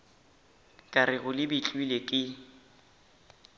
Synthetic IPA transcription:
kʼaɾɪɣʊlɪbɪt͡ɬʼwilekʼɪ

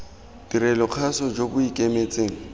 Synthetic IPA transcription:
d̥iɾɛlɔq͡χʰasɔd͡ʒobʊikʼemet͡sʼeːŋ̩

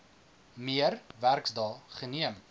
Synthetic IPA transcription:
miərværksdɑːχəniəm

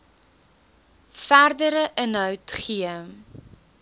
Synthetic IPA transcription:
færdəɾəʔənɦœwtχiə

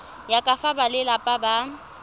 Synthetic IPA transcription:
jakʼafabalɪlapʼaba

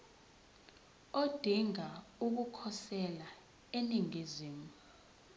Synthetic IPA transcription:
od̥ʱiŋauk̬ukʰɔsɛla | eniŋiziːmuu

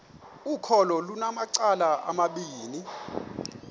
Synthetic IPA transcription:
ukʰɔlɔlunamaǀalaʔa̰maɓiːni

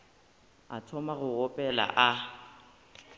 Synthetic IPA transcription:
a̰tʰɔmaɣʊʊpʼɛla̰ʔa

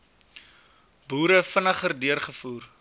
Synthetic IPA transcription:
buːɾəfənəχərdiərχəfuːr

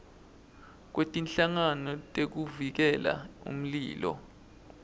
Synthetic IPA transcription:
k̬wetʼinɬaŋanɔtʼek̬uvik̬ɛla̰ṵm̩lḭːlɔ̰

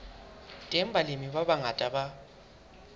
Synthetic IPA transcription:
tʼɛmbʱalemiβaβaŋatʼaɓa

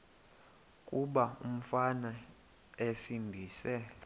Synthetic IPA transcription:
kʼuɓaum̩fana | esinbʱiːsɛ

